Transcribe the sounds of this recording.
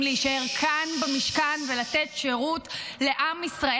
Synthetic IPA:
leiʃae̞ʁkʰanbamiʃkanve̞lat̪etʃe̞ʁutle̞ʔamisʁa

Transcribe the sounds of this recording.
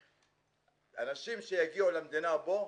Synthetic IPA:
a̰nasim̩sɛjaɡiɔlam̩dɛnabɔ

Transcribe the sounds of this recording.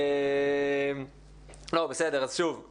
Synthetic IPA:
lobesede̞ʁazʃuv

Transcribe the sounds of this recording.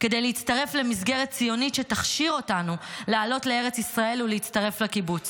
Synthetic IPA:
ke̞d̪ejleitt͡stɐʁe̞fle̞misɡe̞ʁet̚t͡sijo̞nitʃetaχʃiʁo̞tanulealo̞tlee̞ʁet͡sisʁae̞luleitt͡staʁe̞flakibut͡s

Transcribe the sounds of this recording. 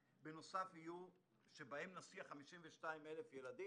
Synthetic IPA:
beno̞safhiju | ʃebaemnasiaχamiʃimveʃtaimelefjeladi

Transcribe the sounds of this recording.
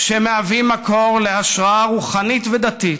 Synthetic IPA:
ʃemeavimːako̞ʁle̞aʃʁaaʁuχanit̪ved̪at̪it̪

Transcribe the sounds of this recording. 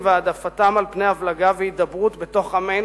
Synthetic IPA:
vead̪afatamalpne̞javlaɡavehit̚d̪abʁutbe̞to̞χamen

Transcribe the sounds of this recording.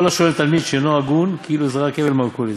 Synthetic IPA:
olaʃolemt̪almid̪ʃenoaɡunkiiluezʁakevelmalkuliz

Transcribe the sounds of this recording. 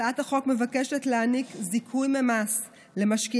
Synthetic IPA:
athaχo̞kme̞vake̞ʃe̞tleanikzikʰujmemas | le̞maʃki

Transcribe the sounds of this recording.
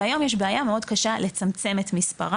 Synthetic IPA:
ajo̞mjeʃbeajameo̞dkaʃale̞t͡samt͡se̞metmispa̰ʁa

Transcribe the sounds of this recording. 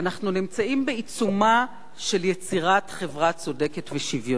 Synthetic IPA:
anaχnunimt͡saimbeit͡suma | ʃe̞ljet͡siʁatχevʁat͡so̞de̞ketveʃivjo

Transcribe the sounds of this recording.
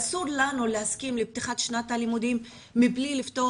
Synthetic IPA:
suɾlanuleaskimlib̚t̪iχat̪ʃnat̪alimud̪imː | iblilift̪o

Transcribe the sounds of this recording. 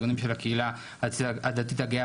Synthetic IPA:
onimʃelakeila | ad̪at̪̬it̪aɡea

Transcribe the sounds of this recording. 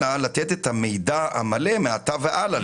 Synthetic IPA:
alat̪et̪et̪hame̞jdaha̰malemeat̪aveʔala

